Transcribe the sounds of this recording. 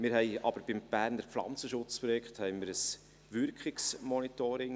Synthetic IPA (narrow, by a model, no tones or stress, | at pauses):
mɪɾhɛɪʔɑb̥əɾb̥ɪmb̥æːɾndəɾflɑ̰nt͡səʃʊt͡spɾɔjɛkχthɛɪmɪːɾəs | ʋʏɾkχɪksmɔnit̪ɔɾɪŋ